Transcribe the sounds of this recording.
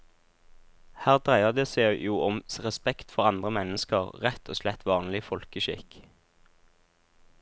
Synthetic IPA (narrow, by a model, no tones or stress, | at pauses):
hæːʁd̪ʁæɪəʁd̪eːseːjuːʔɔmʁɛspɛkt̪fɔʁɑnd̪ʁəmɛnəskəʁʁɛt̪ʰoːslɛt̪ʰʋɑːnlɪfɔlkəʃɪ̰k